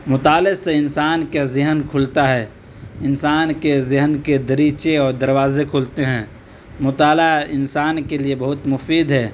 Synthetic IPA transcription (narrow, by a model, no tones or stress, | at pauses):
mʊt̪aːleseɪnsaːnkazɪɦənkʰʊlt̪aɦɛː | ɪnsaːnkezɪɦənked̪əɾiːt͡ʃeɔːɾd̪əɾwaːzekʰʊlt̪eɦɛ̃ː | mʊt̪aːlaɪ̰nsaːnkeliebɐɦʊt̪mʊfiːd̪ɦɛː